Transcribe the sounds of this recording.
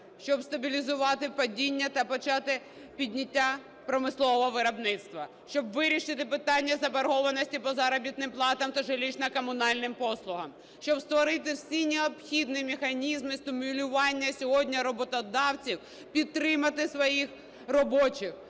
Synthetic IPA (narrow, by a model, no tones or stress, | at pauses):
ʃt͡ʃɔbst̪ɐbʲilʲizʊʋɑt̪ɪpɔdʲinʲːɐt̪ɐpɔt͡ʃɑt̪ɪ | pʲidʲnʲitʲːa | pɾɔmɪslˠɔʋɔɔʋɪɾɐbnɪt̪st̪ʋɐ | ʃt͡ʃɔbʋɪɾʲiʃɪt̪ɪpɪt̪ɑnʲːɐzɐbɐɾɦɔʋɐnɔsʲtʲipɔzɑɾɔbʲit̪nɪmplˠɑt̪ɐmt̪ɐʒelʲit͡ʃnɐkɔmʊnɑlʲnɪmpɔslˠʊɦɐm | ʃt͡ʃɔbst̪ʋɔɾɪt̪̬ɪwsʲinʲeɔpxʲid̪nimexɐnʲizmɪst̪ɪmʲʊlʲʊʋɑnʲːɐsʲɔɦɔdʲnʲɐɾɔbɔt̪ɔd̪ɑwt͡sʲiw | pʲid̪̚t̪ɾɪmɐt̪ɪsʋɔjix | rɔbɔt͡ʃɪx